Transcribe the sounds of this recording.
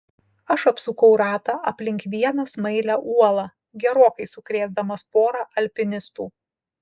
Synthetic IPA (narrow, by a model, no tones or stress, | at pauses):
ɐʃɐpsʊkɐʊɾɑːt̪ɑʔɐpʲlʲɪŋʲkʋʲiɛnɐsmɐɪlʲæʔuɔlˠɑː | ɡʲɛɾoːkɐɪsʊkɾʲeːzd̪ɐmɐspoːɾɑʔɐlʲpʲɪnʲɪst̪uː